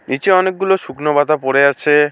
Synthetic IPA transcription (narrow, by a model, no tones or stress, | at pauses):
nit͡ɕeɔnek̚ɡuloʃuknobat̪apoɽeat͡ɕʰe